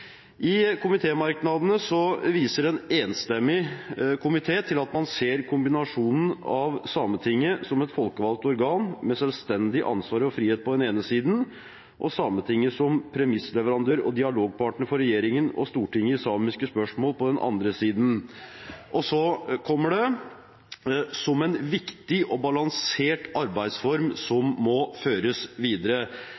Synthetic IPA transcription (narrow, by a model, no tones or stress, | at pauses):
ʔɪkʰʊmɪt̪ʰeːmɑɾknɑd̪ənəsɔʋiːsəɾɛneːnst̪ɛmːɪkʰʊmɪt̪ʰeːt̪ʰɪlɑt̪mɑnseːɾkʰʊmbɪnɑʂuːnən̩ɑʋsɑːmət̪ʰɪŋːəsɔmɛt̪fɔlkəʋɑlt̪ɔɾɡɑːnmɛsœlst̪ɛnd̪ɪʔɑ̰nsʋɑːɾɔfɾiːheːt̪̚pʰɔd̪ɛneːnəsiːd̪n | ʔɔsɑmːət̪ʰɪŋːəsɔmpʰɾɛmɪsːəlɛʋəɾɑnd̪øːɾɔ̰d̪ɪɑloːɡ̚pʰɑʈəɳəfɔɾɛjeːɾɪŋənɔ̰st̪uːʈɪŋːəɪsɑːmɪskəspœʂmoːlpɔd̪ɛnʔɑ̰nd̪ɾəsiːd̪n̩ | ʔɔsɔkʰɔmːəɖɛ | sɔmɛnʋɪkt̪ɪʔɔbɑlɑŋseːʈɑɾbæɪd̪sfɔɾmsɔmːɔføːɾəsʋiːd̪əɾə